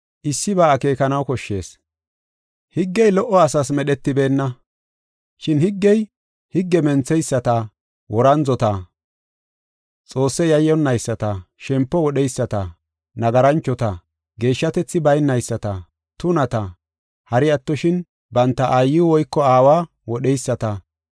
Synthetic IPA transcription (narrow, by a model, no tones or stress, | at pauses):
ʔɪsːɪbaːke̞ːkɐnɐwkɔʃːe̞̰ːs | hɪɡːɛjlɔʔːɔɐsɐsmɛɗɛt̪ːɪbe̞ːnːɐ | ʃɪnhɪɡːɛj | hɪɡːɛmɛnt͡sːɛjsːɐt̪ɐ | wʔɔɾɐnzɔt̪ɐ | t͡sʼo̞ːsːɛjɐjːɔnːɐjsːɐt̪ɐʃɛmpːɔwɔɗɛjsːɐt̪ɐ | nɐɡɐɾɐnt͡ʃːɔt̪ɐ | ɡe̞ːʃːɐt̪ɛt͡sːɪbɐjnːɐjsːɐt̪ɐ | t̪ʊnɐt̪ɐ | hɐɾɪɐt̪ːɔʃɪn | bɐnt̪ːɐʔajːɪwɔjkːɔaːwaː | wɔɗɛjsːɐt̪ɐ